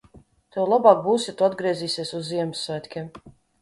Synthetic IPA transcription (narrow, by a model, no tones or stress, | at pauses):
t̪ɛwlˠabɑːk̚buːwsjat̪uad̪ɡɾiɛziːsʲiɛsuzːiɛmɨsːvæjt̪ʲkʲiɛm